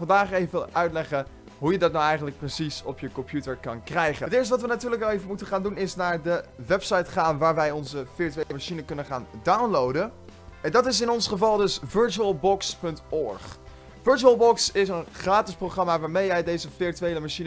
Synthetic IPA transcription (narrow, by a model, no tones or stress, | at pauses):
fɑndaːχejvəvəʔœɥtlɛχə | ɦujədɑtnawɛjχəntlək̚prəsisɔpjəkɔmpjutəɹkɑnkrɛjχəətɪːɹstəʋɑtʋənatyːɹləkɑlejvəmutəχaːndunɪsnaːɹdəʋɛpsɑjtχaːnʋaːɹʋɛjɔnzəfɪɹtyeləmaʃinəkɵnəχa̰ːndawnlowdə | ndɑtɪsɪnɔnsχəvɑlˠdɵsvɵɹt͡ʃuəlˠbɔkspɵntɔɹχ | fɵɹt͡ʃuəlˠbɔksɪsənχraːtɪsprowχrɑmaːʋaːɹmejɛjdejzəfɪɹtyejləmaʃinə